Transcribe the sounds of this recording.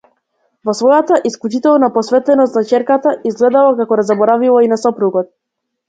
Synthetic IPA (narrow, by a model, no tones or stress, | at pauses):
vɔsvɔjat̪aʔisklˠut͡ʃit̪ɛlˠnapɔsvɛt̪lɛnɔst̪nat͡ʃɛɾkat̪aʔizɡlɛd̪alˠakakɔɾazabɔɾavilˠainasɔpɾuɡɔt̪̚